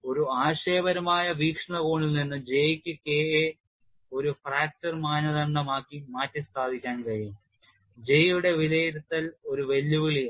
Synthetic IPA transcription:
o̞ɾuaːɕe̞ːbɐɾɐmaːjɐʋiːkʂɐɳɐboːɳilninːɨd͡ʑe̞jkʲːɨkeːe | o̞ɾufraːk̚tɐrmaːnɐðɐɳɖɐmaːkːimaːtːist̪aːd̪ʱikʲːaːnkɐɻijum | d͡ʑe̞juɽe̞ʋilejɾut̪ːɐlo̞ɾuʋe̞lːuʋiɭi

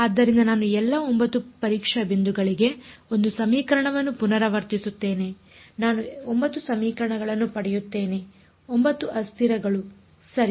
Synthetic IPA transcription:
ad̪ːɐɾind̪ɐnaːnuɛlːɐombɐt̪ːupɐɾiːkʂɐbind̪uɡɐɭiɡe̞o̞nd̪usɐmiːkɐɾɐɳɐʋɐnːupunɐɾɐʋɐɾt̪isut̪ːe̞ːne̞ | naːnuombɐt̪ːusɐmiːkɐɾɐɳɐɡɐɭɐnːupɐɽɛjut̪ːe̞ːne̞ | ombɐt̪ːuʔɐst̪ʰiɾɐɡɐɭu | sɐɾi

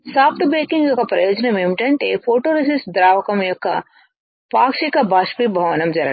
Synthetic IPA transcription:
saːpʰʈbɾeːkiŋɡjɔkːɐpɾɐjoːd͡ʒɐnɐmimiʈɐɳʈḛːpʰoːʈoːɾisisd̪ɾaːʋɐkɐmjɔkːɐ̰ | paːkʂikɐbaːʃpibʱɐʋɐnɐmd͡ʒɐɾɐ̰

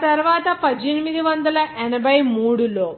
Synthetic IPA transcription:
t̪ɐɾuʋaːt̪ɐpɐd͡ʒenimid̪iʋɐnd̪ɐlɐʔɛnɐbɐjmuːɽulo̞ː

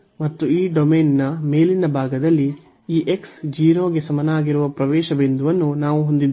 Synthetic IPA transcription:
mɐt̪ːuiːɖomeːnːɐme̞ːlinɐbʱaːɡɐd̪ɐlːi | iːʔeksd͡ʒiːɾoːɡe̞sɐmɐnaːɡiɾuʋɐpɾɐʋɛːʃɐbend̪uʋɐnːunaːʋuɦo̞nd̪id̪ː

